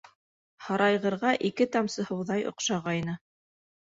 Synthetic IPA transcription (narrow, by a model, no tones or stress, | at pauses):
hɑɾɑjʁɤ̆ɾʁɑʔikɘt̪ɑmsɤ̆hɤ̆wðɑjŏ̰qʃɑʁɑjnɤ